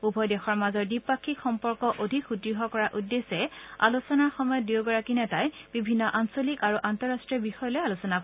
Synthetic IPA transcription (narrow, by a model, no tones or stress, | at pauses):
ubʱɔjdɛxɔɹmazɔɹdipakʰːikxɔmpɔɹkɔʔodʱikutɹiɦɔkɔɹaʔudːesɛa̰lusɔnaɹxɔmɔjɔt̚diwɡɔɹakinɛtajb̥ibʱinːɔʔansolikaɹuʔantɔɹastɹiɔbixɔjɔlɔjalusɔna